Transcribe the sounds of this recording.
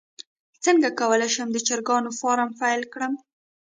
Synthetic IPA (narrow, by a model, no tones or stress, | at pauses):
t͡səŋɡakawəlajʃəmd̪ət͡ʃaɾɡɑnofɑɾamfajlkɽəm